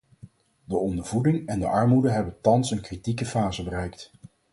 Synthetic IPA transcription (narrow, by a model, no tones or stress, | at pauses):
dəɔndəɹvudɪŋɛndəʔɑɹmudəɦɛbəntɑnsənkritikəfaːzəbərɛjk̚t